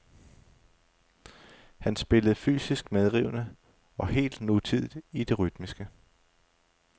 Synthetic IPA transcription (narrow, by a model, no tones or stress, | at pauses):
hænsb̥e̝ləð̞̩ˠfy̰ːsisɡ̥með̞ˠʁiʊ̰nə | ɒ̽he̝̰ːld̥nut͡sʰið̞̰ˠð̩ˠid̥e̝ʁyd̥misɡ̥ə